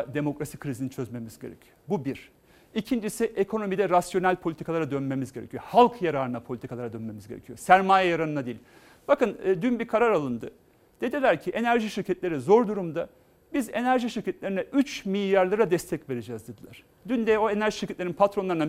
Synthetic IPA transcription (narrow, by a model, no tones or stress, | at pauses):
d̪e̞mo̞kɾasikʰɾizinint͡ʃʰø̞zme̞mizɟe̞̰ɾḛcʰi̥jobubiɾ̥ | icʰind͡ʒisiʔekʰo̞no̞mid̪ɛɾasjo̞nælʲpʰolʲit̪ʰikalˠaɾad̪ønme̞mizɟe̞ɾecʰijohalˠkʰjaɾaːɾɯnapʰo̞lʲit̪ʰikʰalˠaɾad̪ønme̞mizɟe̞ɾecʰijosæɾmaːjɛjaɾanɯnad̪eilʲ | b̥akɯnːd̪ynbiɾkʰaɾaɾalˠɯnd̪ɯ | d̪̥e̞d̪ilʲæɾcʰiʔe̞næɾʒiʃiɾcʰɛt̪lʲe̞ɾizo̞ɾd̪uɾumd̪a | bize̞næɾʒiʃiɾcʰɛt̪lʲeɾinɛʔyt͡ʃmilʲjaɾlˠaɾad̪ɛst̪ʰɛcve̞ɾed͡ʒɛːzd̪ed̪ilʲˠæɾ̥ | d̪ynd̪ɛoe̞næɾʒiʃiɾcʰɛt̪lʲeɾinpʰat̪ɾo̞nlˠaɾɯna